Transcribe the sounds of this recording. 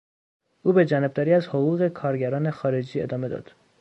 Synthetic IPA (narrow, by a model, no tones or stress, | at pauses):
ʔuːbe̞d͡ʒænɒb̚d̪ɒːɾiːæzhoɣuːɣe̞kʰɒːɾɟæɾɒːne̞xɒːɾe̞d͡ʒiːe̞d̪ɒːme̞d̪ɒ̰d̪̥